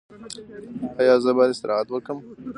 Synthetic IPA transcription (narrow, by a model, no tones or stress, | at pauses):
ajɑzəbɑd̪ɪst̪ɪɾʔɑɦat̪wəkəm